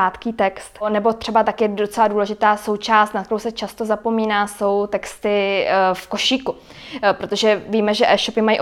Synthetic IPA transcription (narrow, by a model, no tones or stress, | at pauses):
aːt̪kiːt̪ɛkst̪nɛbo̞t̪r̥ɛbat̪akɪjɛdot͡sɛladuːlɛʒɪt̪aːso̞wt͡ʃaːst̪nat̪k̪ɛɾowsɛt͡ʃast̪o̞zapo̞miːnaːso̞wt̪ɛkst̪ɪfko̞ʃiːku | pɾo̞t̪o̞ʒɛviːmɛʒɛʔɛːʃo̞pɪmajiʔ